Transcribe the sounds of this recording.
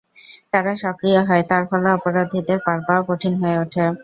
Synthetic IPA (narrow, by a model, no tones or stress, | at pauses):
t̪aɾaʃɔkɾijaɦɔet̪aɾfɔlaɔpoɾad̪ʱid̪eɾpaɾbaokoʈʰinɦɔeoʈʰe